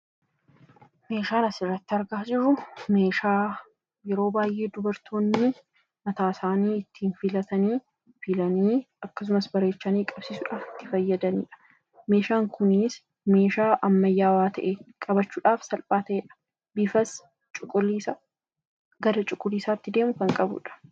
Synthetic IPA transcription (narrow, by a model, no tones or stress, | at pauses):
me̞ːʃaːnɐsɪrːɐt̪ːɪɐɾɡaːd͡ʒɪɾʊme̞ːʃaː | jɛɾo̞ːbaːjʔe̞ːd̪ʊbɐɾt̪ʰoːnːɪ | mɐt̪aːsaːniːɪt̪ːiːnfɪlɐt̪ɐniː | fɪlɐniː | ɐkːɐs̬ʊmɐsbɐɾe̞ːt͡ʃːɐniːkʼɐbsiːsʊᶑaːfɪ̥t̪ːɪfɐjːɐd̪ɐnḭːᶑɐ̥ | me̞ːʃaːŋkʊnɪs | me̞ːʃaːʔɐmːɐjːaːwaːt̪ʰɐ̰ʔekʼɐbɐt͡ʃːuːᶑaːfsɐlpʼaːt̪ɐʔeːᶑɐ̥ | bɪfɐs | t͡ʃʼʊkʼːʊlːiːsɐ | ɡɐd̪ɐt͡ʃʼʊkʼːʊliːsaːɪt̪ːɪd̪e̞ːmʊkɐŋkʼɐbʊ̰ᶑɐ̥